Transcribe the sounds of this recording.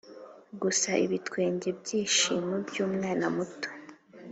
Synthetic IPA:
ɡusaʔḭβitkwe̞ːɲɟe̞bɟiːʃimubjuːmŋaːnamuto̥

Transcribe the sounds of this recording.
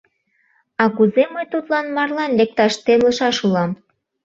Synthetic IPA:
ɑkuzeməjt̪ut̪lɑnmɑrlɑnlek̚t̪ɑʃt̪emləʃɑʃulɑm

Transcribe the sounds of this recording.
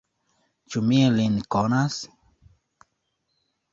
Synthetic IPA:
t͡ʃumielinkonas

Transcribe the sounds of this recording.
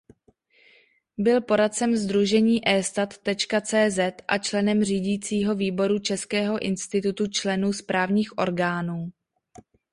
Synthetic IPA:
bɪlpo̞ɾat̪̚t͡sɛmzd̪ɾuʒɛɲiːʔɛːst̪at̪ːɛt͡ʃkat͡sɛːzɛt̪ʔa̰t͡ʃlɛnɛmriːɟiːt͡siːɦo̞viːbo̞ɾut͡ʃɛskɛːɦo̞ʔɪnst̪ɪt̪ut̪ut͡ʃlɛnuːspɾʔaːvɲiːxʔo̞̰ɾɡaːnuː

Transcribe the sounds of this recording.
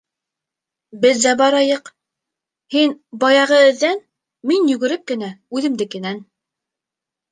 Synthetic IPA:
bɘðzæbɑɾɑjɤq | hinbɑjɑʁɤ̆ɘ̆ðːæn | minjɵ̆ɡɘ̆ɾɘp̚kɘ̆næʉðɘ̆md̪ɘkɘ̆næn

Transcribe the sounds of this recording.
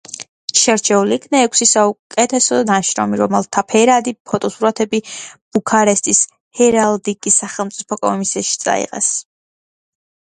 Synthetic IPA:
ʃɛɾt͡ʃʰɛuliːkʰnɛːkʷʰsisaukʼɛt̪ʰɛsɔnaʃɾɔ̰miɾɔmɛlˠt̪ʰapʰɛɾad̪ipʰɔt̪ʼɔsuɾat̪ʰɛbib̥ukʰaɾɛst̪ʼis | hɛɾald̪iɡisːaχɛlˠmt̪sʼipʰɔkʼɔ̰misiaʃi̥t̪sʼa̰ḭqʼɛ̰s

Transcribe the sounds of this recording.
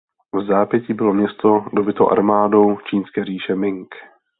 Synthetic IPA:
vzaːpjɛciːbɪlo̞mɲɛst̪o̞do̞bɪt̪owʔa̰ɾmaːdo̞wt͡ʃiːnskɛːriːʃɛmɪŋk

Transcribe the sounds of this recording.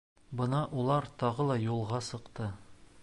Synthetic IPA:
bɤ̆nɑʔulˠɑɾt̪ɒʁɤlˠɑjulˠʁɑsɤ̆qt̪ɤ

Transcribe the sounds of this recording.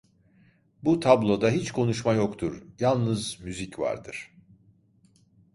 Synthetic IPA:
but̪ʰablˠo̞d̪aɦit͡ʃkʰo̞nuʃmajo̞kt̪ʰuɾjalˠnɯzmyzicva̰ɾd̪ɯɾ̥

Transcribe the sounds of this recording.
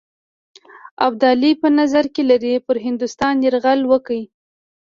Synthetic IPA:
ab̚d̪ɑlipənazaɾkelaɾipəɾɦɪnd̪ʊst̪ɑnjeɾɣalwəki

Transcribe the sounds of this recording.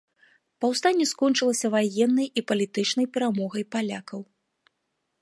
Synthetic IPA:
pɐwst̪anʲːɛskɔnt͡ʂɨlˠɐsʲɐvajɛnːɐjipɐlʲit̪ɨt͡ʂnɐjpʲɛɾamɔɣɐjpalʲakɐw

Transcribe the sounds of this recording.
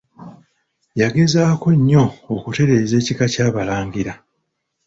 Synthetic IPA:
jaɡe̞zaːko̞ɲːo̞ːkute̞ɾe̞ːze̞ːcikacaːβalaːŋɡiɾa

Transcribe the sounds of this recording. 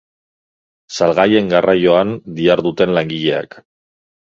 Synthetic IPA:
salɣaje̞ŋɡarajo̞and̪iaɾðut̪e̞nlaŋɡiʎe̞a̰k

